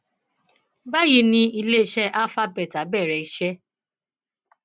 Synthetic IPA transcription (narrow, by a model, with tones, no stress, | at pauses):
ba˦ji˧nĩ˧i˧le˦˨ʃɛ˦ʔa˦fa˦bɛ˨ta˨bɛ˦˨ɾɛ˨i˦ʃɛ˦